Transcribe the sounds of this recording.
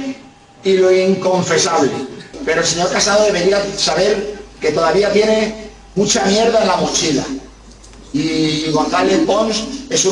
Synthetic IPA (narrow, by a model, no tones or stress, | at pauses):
iloiŋko̞ɱfe̞saβlepe̞ɾolse̞ɲo̞ɾkasaðoðe̞βeɾiasaβ̞e̞ɾke̞t̪o̞ðaβ̞iat̪je̞ne̞ | mũt͡ʃamje̞ɾðaenlamut͡ʃila̰ | iɣonθaleθpo̞nse̞su